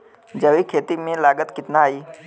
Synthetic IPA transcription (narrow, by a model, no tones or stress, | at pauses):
d͡ʒɐʋikʰeːt̪imẽlaːɡət̪kɪt̪naaːiː